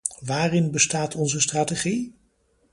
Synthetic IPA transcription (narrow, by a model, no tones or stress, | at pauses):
ʋaːrɪnbəstaːtʰɔnzəstraːteχi